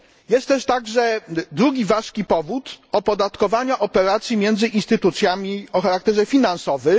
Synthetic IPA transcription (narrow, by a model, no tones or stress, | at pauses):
jɛst̪t̪ːɛʂt̪aɡʐɛd̪ɾuɡʲivaʂkʲipɔvut̪ɔpɔd̪at̪kɔvaɲaʔɔpɛɾat̪sʲjimʲjɛnd̪zɘʔinst̪ɘt̪ut̪sʲjamʲiɔxaɾak̚t̪ɛʐɛfʲinansɔvɘ